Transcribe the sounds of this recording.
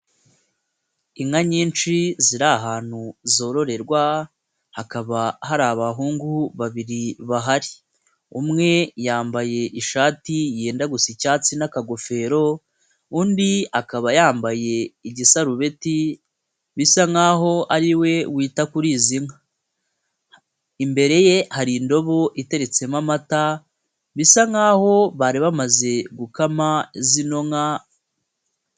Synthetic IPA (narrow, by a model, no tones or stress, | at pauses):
iŋaɲiːnt͡ʃiziɾaɦaːn̥huzo̞ːɾo̞ɾe̞ɾɡwa | hakaβahaɾaːβaɦuːŋɡuβaβiɾiβaɦaɾi | umŋe̞jaːmbaje̞ʔiʃaːtijeːndaɡusicaːt͡sinakaɡo̞fe̞ːɾo̞ | uːndiakaβajaːmbaje̞iɟisaɾuβe̞ti | βisaŋaːɦo̞aɾiwe̞wiːtakuɾiːziŋa | imbe̞ɾe̞je̞haɾindo̞βo̞ʔite̞ɾe̞t͡se̞mamata | βisaŋaːho̞βaɾiβamaze̞ɡukamazino̞ŋa